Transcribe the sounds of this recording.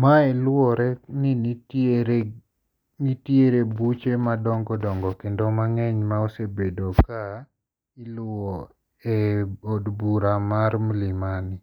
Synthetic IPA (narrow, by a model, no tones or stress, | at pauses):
maɛlwɔɾɛnɪniteɾe | nitjeɾebut͡ʃemadɔŋɡɔdɔŋɡɔkendomaŋɛɲmaosebedoka | ilʊɔ | ɛodbuɾamaɾmlɪmanɪ